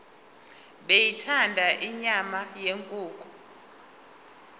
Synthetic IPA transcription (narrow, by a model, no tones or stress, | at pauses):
ɓejitʰandʱaʔiɲamajeŋkʼuːkʼɔ